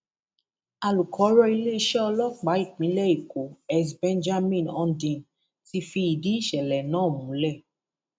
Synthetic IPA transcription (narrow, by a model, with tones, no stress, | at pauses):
a˨lu˨kʰɔ˨˦ɾɔ˧i˧le˦ʃɛ˦ɔ˧lɔ˦k͡pa˨˦i˦˨k͡pĩ˨˦lɛ˦˨i˨ko˨ɛ˦sbɛ̃˦nd͡ʒa˦mĩ˦˨nɔ˧ndĩ˧˨n | ti˧fi˧i˨di˨˦i˦˨ʃɛ˨lɛ˨nãː˨˦˨mũ˨˦lɛ˦˨